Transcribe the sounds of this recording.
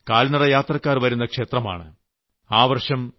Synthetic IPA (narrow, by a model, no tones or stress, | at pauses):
kaːlnɐɽɐjaːt̪rɐkːaːrʋɐɾunːɐkʂe̞ːt̪rɐma̰ːɳɨ̰ | aːʋɐrʂɐm